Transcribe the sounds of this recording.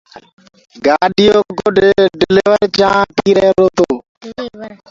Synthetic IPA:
ɡaːɗɪjoːɡoɖɖɪlɪʋəɾt͡ʃãːpiːɾəɾoːt̪oː

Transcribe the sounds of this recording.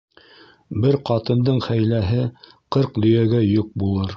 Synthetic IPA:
bɘɾqɑt̪ɤ̆nd̪ɤɴχæjlæɦɘ | qɤɾqd̪ɵ̆jæɡæjuq̚bulˠɤɾ

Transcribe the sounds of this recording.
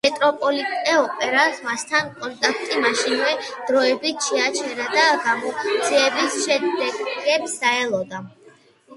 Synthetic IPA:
mɛt̪ʼɾɔpʼɔlit̪ʼɛɔpʼɛɾasmast̪ʰankʼɔnt̪ʼakʰt̪ʼimaʃinvɛd̪̥ɾɔɛbit̪ʰʃɛat͡ʃʰɛɾad̪aɡamɔd̪ziɛbisʃɛd̪ɛɡɛpsaɛlˠɔd̪a

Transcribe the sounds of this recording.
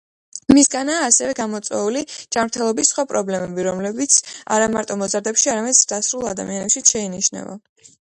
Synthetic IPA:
misɡanaːsɛvɛɡamɔt̪sʼwɛ̰ulid͡ʒamɾt̪ʰɛlˠɔbisːχwapʼɾɔblɛmɛbiɾɔmlɛbit̪sʰa̰ɾamaɾt̪ʼɔmɔzaɾd̪ɛpʃiaɾamɛd̪d̪̥asɾulˠa̰d̪a̰mianɛpʃit̪ʃɛiniʃnɛ̰va̰

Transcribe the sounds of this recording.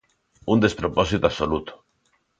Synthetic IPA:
und̪espɾopɔsit̪aβsolut̪o̥

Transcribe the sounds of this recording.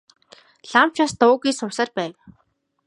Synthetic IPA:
ɮam̥t͡ɕaːst̪ʊːɣiːsʊwsaːrpæːw

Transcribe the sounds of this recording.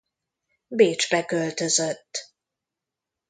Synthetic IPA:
beːt͡ʃbɛkølt̪ø̞zøt̪ː

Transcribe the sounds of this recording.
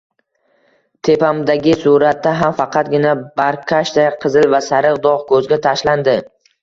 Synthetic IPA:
t̪ʰe̞pamd̪aɡʲɪsuɾat̪ːaɦamfɑqʰɑt̪̚ɡʲɪnabaɾqʲʰaʃd̪ajqʰɨzɪlvasaɾɨqd̪ɒʁkʰɵzɡʲat̪ʰaʃland̪ɪ

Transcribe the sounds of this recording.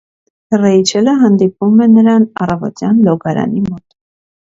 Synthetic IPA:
rɛit͡ʃʰɛləɦɑnd̪ipumɛnəɾɑnɑrɑvɔ̰t̪jɑnlɔɡɑɾɑ̰nimɔt̪

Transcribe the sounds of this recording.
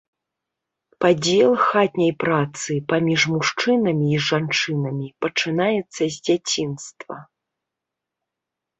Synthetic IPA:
pad͡zʲɛlˠxat̪ʲnʲɐjpɾat̪sɨpamʲiʐmuʂt͡ʂɨnɐmʲiːʐant͡ʂɨnɐmʲipɐt͡ʂɨnajɛt̪sːɐzʲd͡zʲat͡sʲinst̪vɐ̰

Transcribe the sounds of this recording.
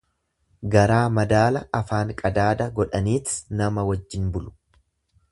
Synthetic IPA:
ɡɐɾaːmɐd̪aːlɐʔɐfaːŋkʼɐd̪aːd̪ɐɡɔᶑɐniːt̪ɪ̥snɐmɐwɐd͡ʒːɪnbʊlʊ̥

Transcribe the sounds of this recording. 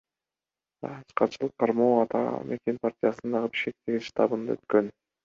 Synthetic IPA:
ɑsqɑt͡ʃɯlˠɯq̚qːʰɑɾmoːɑt̪ɑ̰mʔe̞kʲe̞npartʲijasɯnd̪ɑʁɯbi̥ʃkʲe̞k̚t̪e̞ɡʲiʃt̪ɑ̰bɯnd̪ɑ̰øt̪̚kø̞n

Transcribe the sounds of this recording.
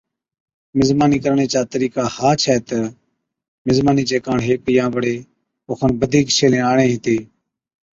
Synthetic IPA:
mɪzmaːniːkəɾɳeːt͡ʃaːt̪əɾiːkaːhaːt͡ʃʰɛːt̪ə | mɪzmaːniːt͡ʃeːkãːɳɦeːk̚ɪjãːʋəɽeː | oːxʰənbəd̪ʱiːkʃʰeːlẽːaːɳẽːɦɪt̪eː

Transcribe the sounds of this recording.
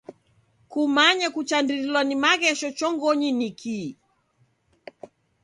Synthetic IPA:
kumaɲɛkut͡ʃandiɾilwanimaɣɛʃɔt͡ʃɔŋɡɔɲinikʰi

